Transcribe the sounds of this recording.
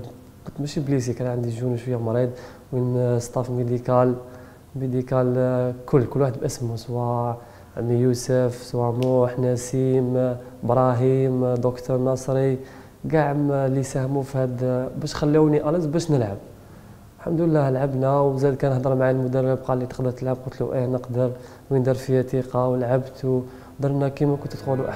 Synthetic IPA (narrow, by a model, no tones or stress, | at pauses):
kʊt̪mæʃiblis̬ikænʕənd̪iʒunəʃwəjːæmɑɾˤid̪ˤ | winst̪ˤɑfmid̪ikæl | mid̪ikælkʰʊlːkʊlːwaħəd̪̚bʔəsəmːuswɑ | ʕəmːijusəfswɑmuħnæsim | bɾˤɑɦimd̪okt̪ʰəɾˤnɑsˤɾi | ɡaʕəmlisæhmufihæd̪bæʃxælːiwniʔæləsbæʃnəlʕab̚ | lħamd̪əlːæhəlʕabnæwzæjd̪̚kænəħd̪ˤəɾˤmʕajlmʊd̪ərˤːəb̚qɑlːit̪ə̥qd̪əɾt̪əlʕab̚qʊnt̪luʔinəqd̪əɾ | wənd̪ɑɾˤfijæt̪iqɑwəlʕabt̪u | d̪əɾˤnækimækʊnt̪t̪xunuʔa